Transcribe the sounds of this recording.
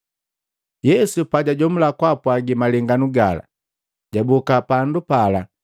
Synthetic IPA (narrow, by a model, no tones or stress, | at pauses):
jɛsupaɟaɟɔmulakwapwaɡimalɛŋɡanuɡala̰ | ɟ̥abɔkapandupala